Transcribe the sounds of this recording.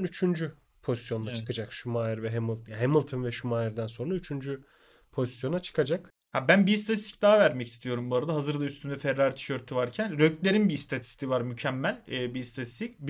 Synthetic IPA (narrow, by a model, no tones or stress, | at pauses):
nyt͡ʃʰynd͡ʒy | pʰo̞zisjo̞nat͡ʃkʰad͡ʒakʃumaːiɾvɛɦemɯlˠt̪jaɦemɯlˠt̪ʰɯnvɛʃumaːiɾd̪ænso̞nɾayt͡ʃʰynd͡ʒy | pʰo̞zisjo̞nat͡ʃʰɯ̥kʰad͡ʒak | habænbist̪ʰat̪ʰist̪i̥cd̪aɦavæɾmɛcist̪ʰijo̞ɾumbuaɾad̪aɦazɯɾd̪ayst̪ʰynd̪ɛfɛɾːaɾt̪ʰi̥ʃøɾt̪ʰyvaɾcʰænɾøclʲe̞ɾinbist̪ʰat̪ʰi̥t̪ʰivaɾmycʰæmːælʲɛːbist̪ʰat̪ʰi̥st̪ʰicb